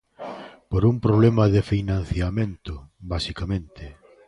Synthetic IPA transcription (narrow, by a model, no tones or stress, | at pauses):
poɾumpɾoβ̞lɛmɐðɪfinãn̟θjamẽnt̪ʊbasikamẽnt̪ɪ